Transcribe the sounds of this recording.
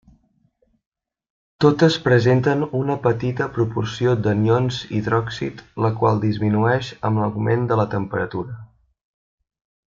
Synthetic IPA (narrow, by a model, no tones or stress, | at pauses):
t̪ot̪əspɾəzent̪ənunəpət̪it̪əpɾupursiod̪ənionzḭðɾɔksḭt̪ləkwalˠd̪izminuɛʃəmləwmend̪ələt̪əmpəɾət̪uɾə